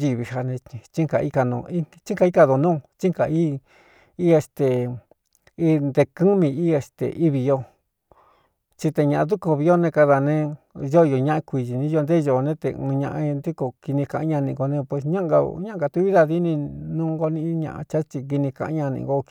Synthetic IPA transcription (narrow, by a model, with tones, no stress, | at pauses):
ʒi˧βi˧ha˧nẽ˧t͡ʃi˦ŋka˨˧i˦ka˧nṵ̃˧i˦t͡ʃi˦ka˧i˦ka˧ðo˨nũː˦˧t͡ʃi˦ŋka̰˨i˦ | i˦e˧st̪e˨ | i˦nd̪e˧kɨ˦mĩ˧i˦e˧st̪ḛ˨ʔi˦βi˧jo˧ | t͡ʃi˧t̪e˧ɲã˨ʔd̪u˦ko˧βi˧jo˦˧nẽ˧ka˧ða˧˨nẽ˧ | ʒo˦˧jo˧ɲã˦ʔã˧kʷi˧˨ʒi˨nĩ˦jo˧nd̪e˦˧ʒo˧˨˧nẽ˦t̪ḛ˧ɨ̃˧ɲã̰˧ʔã̰˧nd̪u˦ko˧ki˧nĩ˧kã˨ʔɲã˧nĩ˧ŋ˧ɡo˧nẽ˧pwe˧s̬ɲã˦ɡa̰˧ɲã˦ɡa˧t̪u˧˦βi˦ða˧ði˧˦nĩ˧nũː˦ŋɡo˧nĩ˧˦ɲã̰˧ʔã̰˧t͡ʃa˦t͡ʃi˧k̬i˧nĩ˧kã̰˧ʔɲã˧nḭ̃˧˨ŋ˧ɡo˦